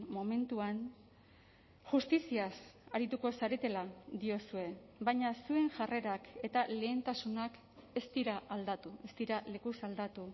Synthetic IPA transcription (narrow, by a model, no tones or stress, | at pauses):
mo̞me̞nt̪uan | ʝust̪isiasaɾit̪uko̞saɾet̪e̞lad̪io̞sue̞bajɲasue̞ŋʝare̞ɾake̞t̪ale̞ːnt̪asunak | e̞st̪iɾaʔːld̪at̪ue̞st̪iɾale̞kusald̪at̪u